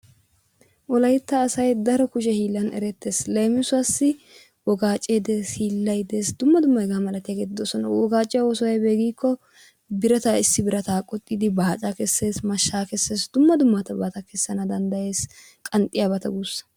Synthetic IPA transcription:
ʔɔlɐjɪt̪ːɐːsɐjd̪ɐɾɔkʊʃ̬ɛhiːlːɐnɛ̰ɾɛt̪ːe̞ːslɐjmɪsʊwɐsːɪ | wɔɡaːt͡ʃʼːeːd̪eshiːlːɐjd̪eːsd̪ʊmːɐd̪ʊmːɐɡaːmɐlɐt̪ɪjaːɡeːt̪ːɪd̪oːsɔnɐ̰wɔɡaːt͡ʃʼːɪjawɔsɔwɐjbe̞ːɡiːkːɔ | bɪɾɐt̪aːɪsːɪbɪɾɐt̪aːkʼɔt̪ʼːid̪ɪbaːt͡ʃʼakɛsːe̞ːsmɐʃːaːkɛsːeːsd̪ʊmːɐd̪ʊmːɐt̪ɐbaːt̪ɐkɛsːɐnɐd̪ɐnd̪ɐje̞ːs | kʼɐnt̪ʼɪjabɐt̪ɐɡusːɐ̥

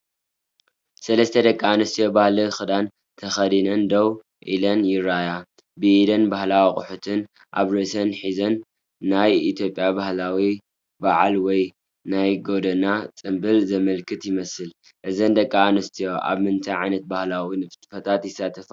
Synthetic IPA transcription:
sɐlɐst̪ʰɐd̪ɐkʼːaanɨst̪ʰijo̞bahlixɨd̪an | t̪ʰɐxɐd̪inɐnd̪ow | ʔḭlɐnjɪɾaja | bɨid̪ɐnbahlawiχʼʊħut̪ʰɨn | ʔa̰βɾɨsɐnħizɐnː | ajit̪jo̞pʼjabahlawi | baʕalwɔj | najɡo̞d̪ɐnat͡sʼɨmbɨlzɐmɐlkʰɨt̪jɪmɐsɨl | ʔɨzɐnd̪ɐkʼːaːnɨst̪ʰijo̞ʔa̰βmɨnt̪ʰajʕajnɐt̪̚bahlawinɨft̪ʼfɐt̪ʰat̪jɪsːat̪ʰɐfa

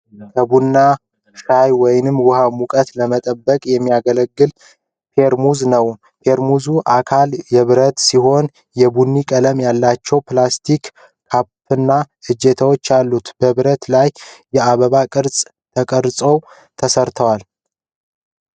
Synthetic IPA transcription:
kʰəbunːa | ʃajwɔjnɨmːwʊhamukʼət̪ləmət̪ʼəbːəkʼjɛmːijaɡələɡːɨl | pʰe̞ɾmuznəw | pʰe̞ɾmuzuʔakʰaljɛβɨɾət̪siɦo̞n | jɛbunːikʼələmjalːat͡ʃːɛwplast̪ʰikːʰ | appːɨnːa | ɨd͡ʒːet̪ʰəwo̞t͡ʃːalːut̪bəβɨɾət̪lajːɛaβəβakʼɨɾsʼ | t̪ʰəkʼəɾsʼo̞w | t̪ʰəsəɾt̪ʰəwal

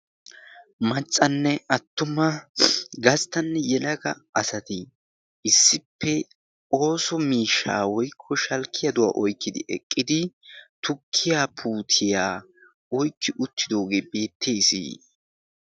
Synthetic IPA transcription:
mɐt͡sʼːɐnːɛɐt̪ːʊmɐɡɐst̪ɐnːɛjɛlɐɡɐ̰ʔɐsɐt̪ɪ | ʔɪsːɪpːɛ | o̞ːsɔmiːʃːa̰ːwɔjkʰːɔʃɐlkʰːɪjɐd̪ʊwa̰ːʔɔjkːɪd̪ɪ̰ʔɛ̰kʼːɪd̪ɪt̪ʊkʰːɪjaːpʰuːt̪ʰɪjaː | ɔjkːɪʔʊt̪ːɪd̪o̞ːɡeːbe̞ːt̪ʰːeːsḭː

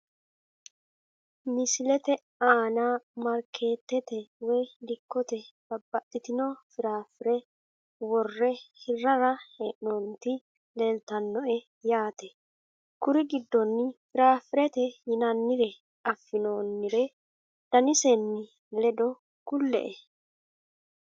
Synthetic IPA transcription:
mɪsɪlɛt̪ɛ | aːnaːmɐɾkʰe̞ːt̪ːɛt̪ɛwɛjlɪkːɔt̪ɛb̥ɐbːɐt̪ːɪt̪ɪnofɪɾaːfɪɾɛ | wɔrːɛhɪrːɐɾɐhɛʔɔnt̪ɪ | leːlt̪ɐnːɔʔɛ | jaːt̪ɛ | kʊɾɪɡɪd̪ːɔnːɪfɪɾaːfɪɾɛt̪ɛhɪnɐnːɪɾɛ | ɐfːɪnoːnːɪɾɛ | d̪̥ɐnɪsɛnːɪ | lɛd̪ɔ | kʊlːɛ̰ʔɛ

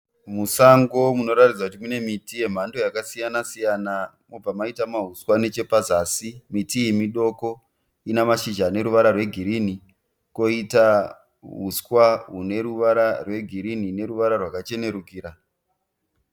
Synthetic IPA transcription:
musaŋɡo̞muno̞ɾatid͡zakut̬imune̞mitije̞m̤ando̞jakasijanasijana | mob͡vamaitamaɦuskwane̞t͡ʃe̞pazasimitijemiɗo̞ko̞ | inamaʃid͡ʒane̞ɾuʋaɾarwe̞ɡʱiɾini | ko̞ita | ɦuskwaɦune̞ɾuʋaɾarwe̞ɡʱiɾinine̞ɾuʋaɾarwakat͡ʃe̞ne̞ɾukiːɾa

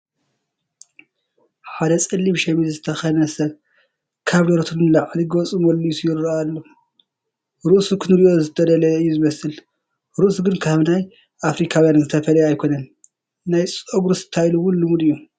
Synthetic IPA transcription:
ħad̪ɐt͡sʼɨlːimʃɛmizɨt̪ʰɐxɐnɐsɐβ | kʰaβloɾt̪ʰunlaʕliɡot͡sʼɨmolːujusijɪɾɾalːo | ɾɨʔsukʰɨnɨɾiʔo̞zɨt̪ʰɐd̪ɐlɐɨjːuzɨmɐsɨl | ɾɨʔusuɡɨnkʰaβnaj | ʔafɾikʰawjanzɨt̪ʰɐfɐlɐjajkʰo̞nɐn | najt͡sʼoɡɾusɨ̥t̪ʰajluwʊnlɨmud̪ɨjːu

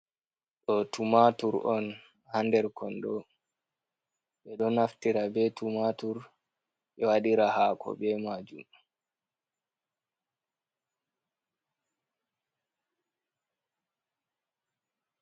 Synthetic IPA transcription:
ɗɔtumatuɾʔɔn | handɛɾkɔndɔ | ɓɛɗɔnaftiɾabɛtumatuɾ | ɓɛwaɗiɾahaːkʰɔ̰ɓɛmad͡ʒum

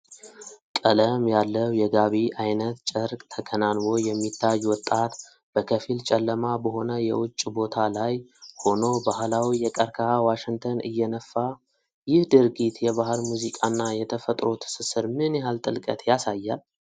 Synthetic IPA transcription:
kʼələmjalːəwjɛɡaβiʔajnət̪t͡ʃʼəɾkʼt̪ʰəkʰənanwo̞jɛmːit̪ʰːajːwɔt̪ʼːat̪ | b̥əkʰəfilt͡ʃʼɛlːəmabəɦo̞nəjɛ̰wʊt͡ʃʼːbo̞t̪ʰalajho̞no̞bahlawijɛkʼəɾkʰaawaʃɪŋt̪ʰənɨ̰jːɛnəfːa | jɪhd̪ɨɾɡit̪jɛβaɦɨɾmuzikʼanːajɛt̪ʰəfət̪ʼɾo̞t̪ʰsɨsɨɾmɨnjɛɦalt̪ʼɨlkʼə̰t̪ʰjasajːal

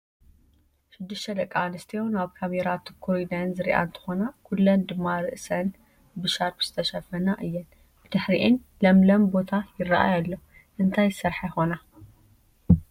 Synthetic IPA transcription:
ʃɪd̪ːɨʃt̪ʰɐd̪ɐkʼːanɨst̪ʰijownaβkʰameɾat̪ʰɨkʰoid̪anzɨɾḭʔa̰ɨnt̪ʰɨ̥xo̞nakʰulːɐnd̪ɨmːaɾɨʔsɐn | bɨʃaɾt̪z̥ɨt̪ʰɐʃɐfɐnaʔɨjːɛn | ɨd̪ɨħɾiʔɨn | lɐmlɐmbo̞t̪ʰajɪrːa̰ʔa̰jalːo | ʔɨnt̪ʰajsɐɾħajxo̞na

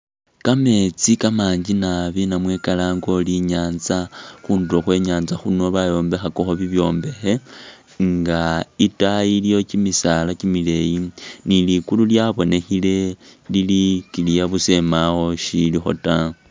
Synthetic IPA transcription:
kame̞t͡sikamaːɲd͡ʒinaβinamwe̞kalaːŋɡo̞liɲaːnzaxuːnduɾoxwe̞ɲaːnzaxuno̞βajo̞ːmbe̞xakoxoβiβjo̞ːmbe̞xe̞ | ŋɡaitajilijo̞t͡ʃimisalakimile̞jinilikululjaβo̞ne̞xile̞lilikilijaβuse̞maxo̞ʃilixo̞̰ta

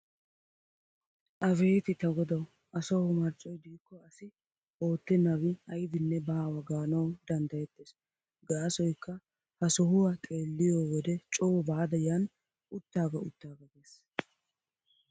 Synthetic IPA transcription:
ʔɐfe̞ːt̪ɪt̪ɐɡɔd̪ɐw | ʔɐsɐwʊmɐɾt͡ʃʼɔjd̪iːkːɔɐsɪ | o̞ːt̪ːɛnɐwɪɐjɪd̪ɪnːɛbaːwɐɡaːnɐwd̪ɐnd̪ɐjɛt̪ːes | ɡaːsɔjkːɐ | hɐsɔhʊwakʼe̞ːlːɪjoːwɔd̪ɛt͡ʃʼoːbaːd̪ɐjan | ʊt̪ːaːɡɐʊ̰t̪ːaːɡɐɡeːs

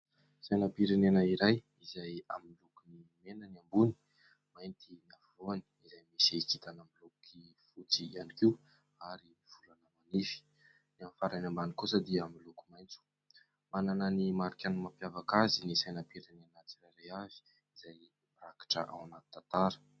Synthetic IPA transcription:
sajnapiɾenenəiɾaj | izaja̰miilukunimenaniambuni̥ | majnt̪iniavuloani̥izajmisit͡sit̪anamilukifut͡sianikiu | aɾimiv̥ulanəmanifi̥ | niamfaɾajnambanikusəd̪iamilukumajnt͡su̥ | manananimaɾikʲanmapjavakazinisajnapiɾenenat͡siɾajɾajazi̥ | iz̥aj | maɾakḁʈ͡ʂə̰ʔa̰wanat̪i̥t̪at̪aɾə̥

